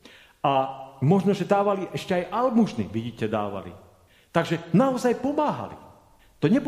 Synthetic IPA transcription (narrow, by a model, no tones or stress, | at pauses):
amɔʒnɔʒɛd̪aːʋaliʔɛʃcɛajʔalmuʒnḭʋiɟiːcɛd̪a̰ːʋa̰lḭ | t̪aɡʒɛnaɔzajpɔmaːɦa̰lḭ | t̪ɔɲɛb